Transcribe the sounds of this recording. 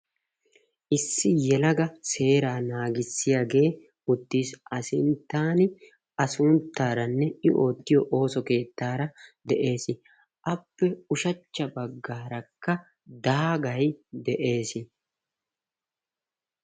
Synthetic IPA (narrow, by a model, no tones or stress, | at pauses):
ʔɪsːɪjɛlɐɡɐse̞ːɾaːnaːɡɪsːɪjaːɡe̞ː | ʊt̪ːiːsɐsɪnt̪ːaːnɪ | ɐsʊnt̪ːaːɾɐnːɛɪʔo̞ːt̪ːɪjɔʔo̞ːsɔke̞ːt̪ːaːɾɐd̪ɛʔe̞ːsɪ | ʔɐpːɛʊʃɐt͡ʃːɐbɐɡːaːɾɐkːɐ | d̪aːɡɐjd̪ɛʔe̞ːsɪ